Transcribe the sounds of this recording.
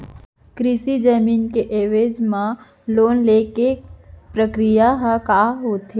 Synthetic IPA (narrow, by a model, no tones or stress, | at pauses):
kɾɪsid͡ʒəmiːnkeʔeːʋeːd͡ʒmã | loːnleːkepɾəkɾijaɦãkaːɦoːt̪ɦeː